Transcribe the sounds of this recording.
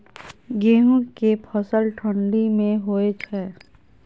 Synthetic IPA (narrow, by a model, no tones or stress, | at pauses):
ɡeːɦũkepʰəsəlʈʰə̃ɳɖimẽɦoːet͡ʃʰɛː